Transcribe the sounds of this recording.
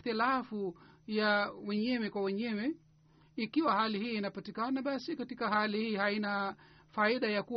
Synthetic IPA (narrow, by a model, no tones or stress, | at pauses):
θilafujawɛɲɛwɛkwawɛɲɛwɛ | ikiwahalihiːnapatikanaɓasikatikahalihiːhaina | faiɗajaku